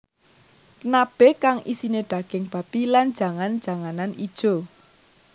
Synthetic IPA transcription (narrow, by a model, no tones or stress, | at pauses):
kənab̥ɛkaŋʔḭsineɖ̪̥ä̤ɡ̥ɪ̤ŋb̥ä̤pilan̥d͡ʒ̥a̤ŋan̥d͡ʒ̥ä̤ŋananid̥ʒ̥o̤